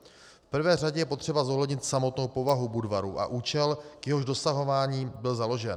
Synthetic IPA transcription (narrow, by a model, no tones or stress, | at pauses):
fpr̩vɛːr̝aɟɛjɛpo̞t̪r̝̥ɛbazo̞ɦlɛdɲɪt̪samo̞t̪no̞wpo̞vaɦubudvaɾṵːʔa̰ʔuːt͡ʃɛlkjɛɦo̞ʒdo̞saɦo̞vaːɲiːbɪlzalo̞ʒɛn